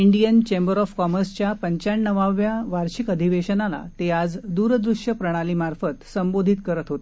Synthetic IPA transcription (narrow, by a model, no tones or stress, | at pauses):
iɳɖijənt͡ɕembəɾɔfkɔməɾst͡ɕjapəɲt͡ɕaɳːəʋaʋjaʋaɾɕikəd̪ʱiʋeɕənala̰t̪ead͡zd̪uːɾd̪ɾuʂjəpɾəɽ̃aliːmaɾfət̪səmbod̪ʱit̪kəɾət̪ɦot̪e